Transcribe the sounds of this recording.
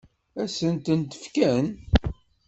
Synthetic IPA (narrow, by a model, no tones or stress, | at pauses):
æsənt̪ənt̪ə̥fkæn